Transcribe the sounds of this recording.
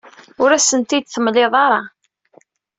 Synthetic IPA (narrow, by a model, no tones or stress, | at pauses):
ʊɾæsənt̪id̪θəmleðˤɑɾˤɑ